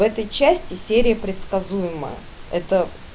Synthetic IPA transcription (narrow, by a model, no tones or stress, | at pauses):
vɛt̪əjt͡ɕæsʲtʲɪsʲeɾʲɪjəpɾʲɪt̪skɐzujɪmə̰jə̰ | ɛt̪ə